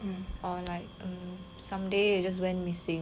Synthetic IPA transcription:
ʔɔlaɪk̚ə̃m | sãmdead͡ʒas̬wɛ̃nmisɪ̃ŋ

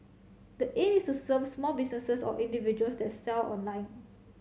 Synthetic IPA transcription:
dəʔẽmistusəvsmɔlbisnəsəsɔ̰ʔĩndivid͡ʒuəlsdɛtsɛlɔ̰̃nlãɪ̃n

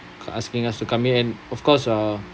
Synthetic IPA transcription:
a̰skĩŋastukãmiɛ̃nɔfkɔsa

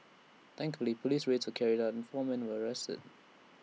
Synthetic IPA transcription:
θæ̃ŋkfəlipʰəliˑsɹetʰəlˠkʰɛɹidaʊtə̃nfɔːmɛ̃nwəəɹɛstɪ̰d̥

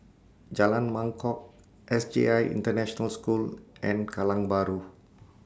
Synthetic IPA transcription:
d͡ʒalanmãŋkɔk̚ | ʔɛsd͡ʒḛajḭnt̪ərnɛ̃ʃɔnalskulʔɛ̃nkalaŋbaɾu

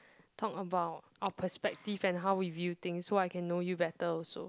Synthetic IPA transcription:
tʰɔkəbaʊt̚ʔaʊəpʰəspɛk̚tivɛ̃nɦawwivjut̪ɪ̃ŋsːoaɪkʰɛ̃nːojubɛtəɔlso̰

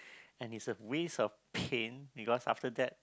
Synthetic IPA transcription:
ɛ̃nisəwesɔfpʰẽnbikɔsa̰ftədɛt̚

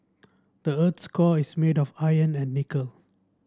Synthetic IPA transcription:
d̥əət̪skɔismedɔfajə̃nɛ̃nːikəl

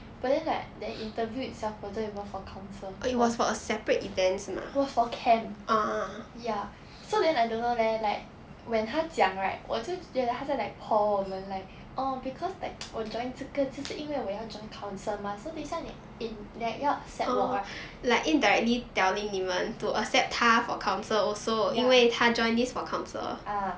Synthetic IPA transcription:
b̥at̚dɛ̃nlaɪk̚dɛʔĩntəvjuɪt̚sɛʊfwətəit̚wɔfɔkʰãʊ̃nsəit̚wɔsfɔəsɛpɹətivɛ̃ntsma̰wɔsfɔkʰɛ̃mʔaja | sodɛ̃naɪdõnːolɛlaɪk̚ | wɛ̃nɦad͡ʒjãŋɹaɪt̚wʔɔ̰tuɛlahasəlaɪk̚pʰɔmɛ̃nlaɪk̚ | ʔɔbikʰɔslaɪk̚wəd͡ʒɔ̃ɪ̃ŋtukəisəʔĩnwewejad͡ʒɔ̃ɪ̃nkʰãʊ̃nsəmasodesãnɛ̰ | ĩndɛjaəsɛtwɔɹa | laɪkĩndaɹɛk̚litɛlĩŋivə̃ntuəsɛp̚tʰafɔ̰kʰãʊ̃nsəlɔsojĩwetʰad͡ʒɔ̃ɪ̃ndisfɔkʰãʊ̃nsə̰lʔa

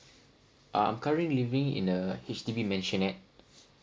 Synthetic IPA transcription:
ʔa̰ã̰jmkʰaɹĩnlivɪ̃ŋḭ̃nəhet͡ʃtivimɛ̃nʃə̃nɛt̚

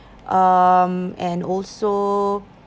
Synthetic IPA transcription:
ʔʌmɛ̃nɔlso

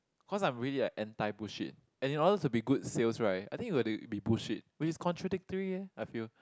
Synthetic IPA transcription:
kʰɔs̬ãɪ̃mɹiəliəʔɛ̃ntaɪbuʃḭt̚ | ɛ̃nĩnɔdətubiɡud̚selsɹaɪt̚a̰jt̪ĩŋkjuɡɛtubibuʃit̚wɪt͡ʃɪskʰɔ̃ntʰɹadɪk̚təɹiɛaɪfil

